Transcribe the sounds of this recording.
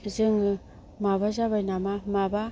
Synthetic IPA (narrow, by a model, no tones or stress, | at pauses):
zɨŋɯ | maβaʒaβajnamamaba